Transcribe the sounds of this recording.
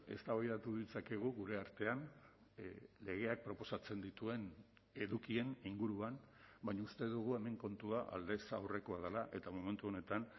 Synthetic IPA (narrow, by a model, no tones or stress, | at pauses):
e̞̰st̪aβajðat̪uðit͡sake̞ɣ̞uɣuɾe̞aɾt̪e̞an | le̞ɣe̞ak̚pɾo̞po̞sat͡se̞nd̪it̪ue̞n | e̞ðukie̞niŋɡuɾuanbajɲaust̪e̞ðuɣ̞ue̞me̞ŋko̞nt̪uaʔa̰ld̪e̞sa̰wre̞ko̞að̞alaʔe̞t̪amome̞nt̪uo̞ne̞t̪an